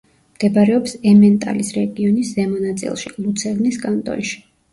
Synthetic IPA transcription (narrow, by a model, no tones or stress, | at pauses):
md̥̪ɛbaɾɛɔpsɛmɛnt̪ʼa̰lisɾɛɡiɔnisːɛmɔnat̪sʼḭlˠʃḭlˠut̪sʰɛvniskʼant̪ʼɔ̰nʃi̥